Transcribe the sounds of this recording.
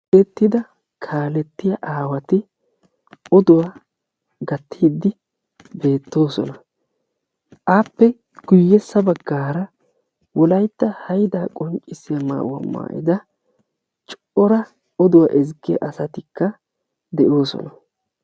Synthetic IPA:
ɛt̪ːɪd̪ɐ | kʰaːlɛt̪ːɪjɐʔaːwɐt̪ɪ | ɔd̪ʊwaː | ɡɐt̪ʰːiːd̪ːɪ | be̞ːt̪ːo̞ːsɔnɐ | ʔaːpːɛ | ɡ̥ʊjːɛsːɐbɐɡːaːɾɐ | wɔlɐjt̪ːɐhɐjd̪aːkʼɔŋt͡ʃʼːɪsɪjɐma̰ːwɐ̰mːa̰ːʔɪ̰d̪ɐ | t͡ʃʼ | ɔɾɐ | ɔd̪ʊwa̰ʔɛzkːɪ̰ʔɐsɐt̪ɪkːɐ | d̪ɛʔo̞ːsɔ̰nɐ

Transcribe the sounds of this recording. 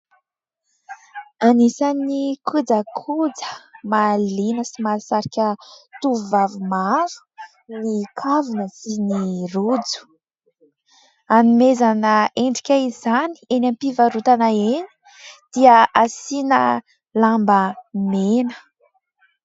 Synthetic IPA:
anisanikʰud͡zəkʰud͡zə̥malinəsimasaɾikʲət̪uvuvavumavu̥ | nikʰavunəsinirud͡zu̥ | anumezanəeɳɖ͡ʐikʲaizani̥enampivaɾut̪anaeni̥ | d̪̥iəasinə | lambəmenə̥

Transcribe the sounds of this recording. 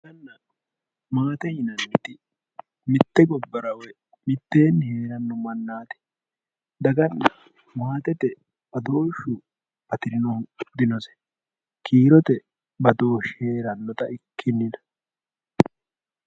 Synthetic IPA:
dɐnːɐ | maːt̪ɛhɪnɐnːɪt̪ɪ | mɪt̪ːɛɡɔbːɐɾɐwɛ | mɪt̪ːe̞ːnːhe̞ːɾɐnːɔmɐnːaːt̪ɛ̥ | d̪ɐɡɐnːɐ | maːt̪ɛt̪ɛ | bɐd̪o̞ːʃʊ | bɐt̪ɪɾɪnɔhʊd̪ɪnɔsɛ̥ | kʰiːɾɔt̪ɛ | bɐd̪o̞ːʃhe̞ːɾɐnːɔt̪ɐʔɪkʰːɪnːɪnɐ̥

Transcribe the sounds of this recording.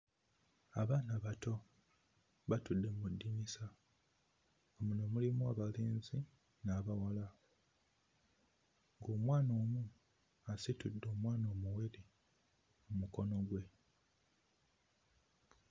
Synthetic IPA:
aβaːnaβato̞ | βatudːe̞mudːimisa | omunomulimuaβaleːnzi | naːβawala | ŋɡoːmwaːno̞ːmu | asitudːoːmwaːno̞ːmuweɾi | mumuko̞no̞ɡwe̞

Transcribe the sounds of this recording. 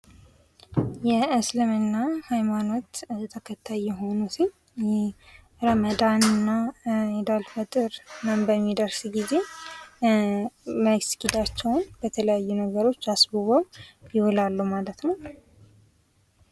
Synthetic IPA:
jɛɨslɨmɨnːahajmano̞t̪t̪ʰəkʰət̪ʰːajɛɦo̞nusiɲ | j | ɾəməd̪anɨnːaɛd̪alfət̪ʼɨɾnəmbəmːid̪əɾsɡize̞ | məɡskid̪at͡ʃːɛwnbət̪ʰələjajːunəɡəɾo̞t͡ʃːasbuβəwjɪwɔlalːumalət̪nəw

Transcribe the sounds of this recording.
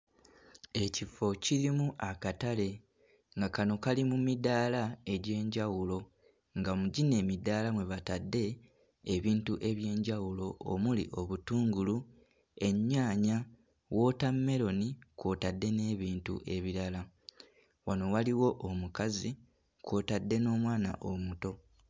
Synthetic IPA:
e̞cifo̞ciɾimuʔakatale̞ | ŋɡakano̞kalimumidaːlae̞ɟe̞ːɲɟawulo̞ | ŋɡamuɟine̞ːmidaːlamwe̞βatadːe̞ː | βiːntuʔe̞βje̞ːɲɟawulo̞o̰mulḭʔo̞βutuːŋɡulu | e̞ɲːaːɲa | wo̞ːtamːe̞ɾo̞niko̞ːtadːe̞ne̞ːβiːntṵʔe̞βiɾala | wano̞waliwo̞ʔːmukazi | kwoːtadːe̞no̞ːmwaːna̰ʔomuto̞

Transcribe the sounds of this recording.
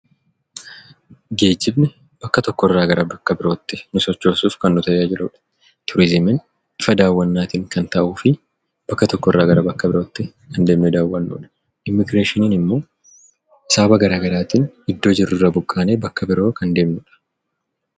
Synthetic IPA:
ɡe̞ːd͡ʒːɪbnɛ | b̥ɐkːɐt̪ɔkːɔɪrːaːɡɐɾɐbɐkːɐbɪɾo̞ːt̪ːɪnʊsɔt͡ʃːo̞ːsuːfkɐnːʊt̪ɐʔed͡ʒɪɾuːᶑɐ̥ | t̪ʰʊɾɪzɪmɪn | ɪfɐd̪aːwːɐnːaːt̪iːŋkɐnt̪ɐʔuːfɪ | b̥ɐkːɐt̪ɔkːɔɪrːaːɡɐɾɐbɐkːɐbɪɾo̞ːt̪ːɪ | kɐnd̪e̞ːmnɛd̪aːwːɐnːṵːᶑɐ̥ | ʔɪmːɪɡɾeːʃɪniːnɪmːo̞ː | ɪsaːbɐɡɐɾaːɡɐɾaːt̪iːnɪd̪ːo̞ːd͡ʒɪrːʊrːɐbʊkʼːaːneːbɐkːɐbɪɾo̞ːkɐnd̪e̞ːmnuːᶑɐ̥

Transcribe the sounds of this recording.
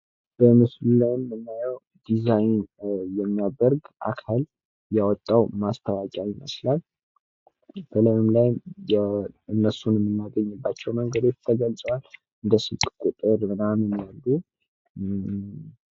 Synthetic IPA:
b̥əmɨslulajɪmːɨnːajɛw | d̪izajnjɛmːijadəɾɡʔa̰kʰal | jawɔt̪ʼːawmast̪ʰəwakʼaɪmə̰slal | b̥ələjɨmlajm | ɨnːəsunmːɨnːaɡəɲːɨbːat͡ʃːɛwməŋɡəd̪o̞t͡ʃt̪ʰəɡəlt͡sʼəwal | ɨnd̪əsɨlkʼkʼut̪ʼɨɾmɨnamɨnalːu

